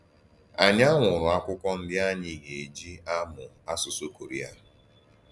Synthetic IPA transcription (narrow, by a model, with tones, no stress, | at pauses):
a˨ɲa˦ŋʷʊ˨ɾʊ˨a˦kʷʊ˦kʷɔ˦n̩˦dɪ˦a˦ɲɪ˨ɡe˨e˨d͡ʒi˦a˦mʊ˨ | a˦sʊ˨so˦ko˨ɾi˨a̰˦